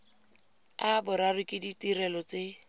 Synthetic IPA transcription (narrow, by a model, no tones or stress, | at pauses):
abʊɾarikʼɪditirɛlɔt͡sɪ